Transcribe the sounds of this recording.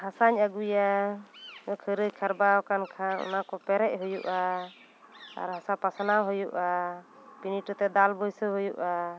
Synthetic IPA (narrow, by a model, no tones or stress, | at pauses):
hasaɲaɡuja | ɔkʰəɾəkʰaɾbaɔkankʰaɔ̰nakɔpɛɾɛʔ̚ˀɦujṵʔa | a̰ɾɦasapasanaɦɔjuʔa | piniʈət̪ɛd̪albɔjsəɦɔjuʔa